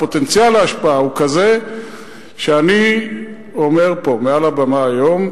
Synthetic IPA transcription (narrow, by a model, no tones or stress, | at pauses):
pot̪e̞nt͡sjalaaʃpaaukaze̞ | ʃeani | o̞me̞ʁpo̞mealabamaːjo̞m